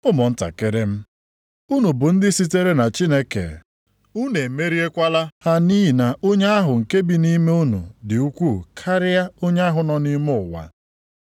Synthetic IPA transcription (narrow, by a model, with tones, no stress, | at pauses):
ʊ˦mʊ˨n̩˦ta̰˨ke˦ɾe˦m̩˦ | u˦nu˨bʊ˨n̩˦dɪ˦si˦te˦ɾe˦na˨t͡ʃi˦ne˦kḛ˨ | u˦ne˨me˦ɾi˦e˦kʷa˦la˦ha˦niː˦i˨na˨ʔo˦ɲe˦a˦ɦʊ˨ŋ̩˨ke˦bi˨ni˦me˦u˦nṵ˨dɪ˨u˦kʷu˦˨kʰa˦ɾɪ˦ja˦o˦ɲ˦a˦ɦʊ˨nɔ˦ni˦mʊ˦˨wa̰˨